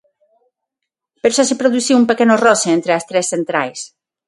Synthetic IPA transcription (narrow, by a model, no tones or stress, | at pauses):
peɾʃɔsepɾoðuθiumpekenorɔseent̪ɾeast̪ɾesθent̪ɾajs